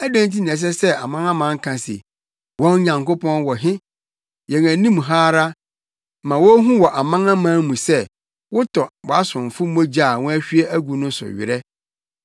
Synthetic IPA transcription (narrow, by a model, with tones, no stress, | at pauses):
æ˦dæ̃˦nti˦nĩ˨ɛ̃˨s̬ɛ˦sɛ˦a˨mã˦ŋã˦mã˨˦ŋ̩˦kʰã˨sḛ˨ | wɔ̃˦n˦ɲã˨ŋko˦pʰɔ̃˦nwɔ˨ɦɪ̃˦ | jɛ̃˨ŋæ̃˨nĩ˦mɦaː˦ɾa˦ | mã˨wɔ˦ɦũ˦wɔ˨ʔa˨mã˦ŋã˦mãː˦mũ˨sɛ˦ | wʊ˦tʰɔ˨wɔ˨a˦sʊ̃˨ɱ˨fʊ˦mo˦d͡ʑa˦˨wɔ̃˦æ˦ɕᶣi˦ɛ˦ʔæ˦ɡu˨nʊ̃˦sʊ̰˨ɥɪ̰˨ɾɛ˦